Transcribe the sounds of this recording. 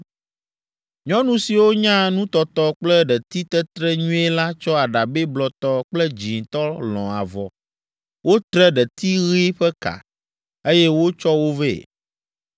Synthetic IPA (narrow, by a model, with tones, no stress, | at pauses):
ɲɔ̃˦nũ˦si˨wo˦ɲã˦nũ˦t̪ɔ˦t̪ɔ˦k͡plɛ˦ɖɛ˨t̪i˦t̪ɛ˦t̪ɾɛ˦ɲũ˦ɛ˦la˦t͡ʃɔ˦a˨ɖa˨be˦blɔ˨t̪ɔ˦k͡plɛ˦d͡ʑi˨ŋ˨t̪ɔ˦lɔ̰̃˨a̰˨vɔ˨ | wo˦t̪ɾɛ˦ɖɛ˨t̪i˦ɣi˦ɸɛ˦ka̰˨ | e˦jɛ˦wo˦t͡ʃɔ˦wo˦vḛ˦˨